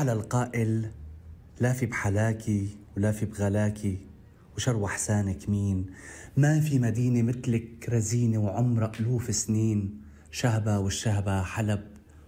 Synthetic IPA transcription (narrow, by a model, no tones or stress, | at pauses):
alalqaːʔɪlː | aːfibħalaːkiwlaːfibɣalaːki | wʃɑɾˤwaħsaːnɪkmiːnmafimad̪iːnemɪt̪lɪkɾˤaziːnewʕʊmɾˤɑʔʊluːfɪsniːn | ʃaɦbawɪʃːaɦbaħalab̚